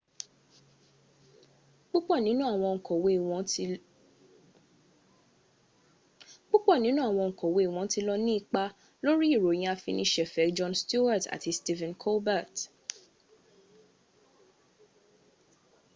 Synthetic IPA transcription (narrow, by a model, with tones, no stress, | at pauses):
ɡ͡bo˦k͡pɔ˦˨nĩ˨˦nũ˦a˨w̃ɔ̃˧ŋ̩˨kɔ˨wẽ˨˦˨ | ɡ͡bo˦k͡pɔ˦˨nĩ˨˦nũ˦a˨w̃ɔ̃˧ŋ̩˨kɔ˨we˧˦i˨w̃ɔ̃˨˦ti˧lɔ˧nĩ˦i˦˨k͡pa˧ | lo˦ɾi˦i˦˨ɾo˨j̃ĩ˧˦a˧fḭ̃˧nĩ˦ʃɛ˨fɛ˨˦d͡ʒɔ̃˧nstu˦wa˦˨ta̰˨ti˧sti˦˧vɛ̃˨nkʰɔ˦lba˦˨t